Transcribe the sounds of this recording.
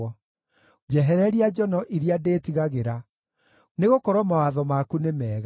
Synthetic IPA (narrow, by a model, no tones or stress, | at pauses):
ɔ | d͡ʒɛɦɛɾɛɾiad͡ʑɔnɔʔiɾiadetiɣaɣeɾa | neɣokɔɾwɔmawaðɔmakunemɛːɣa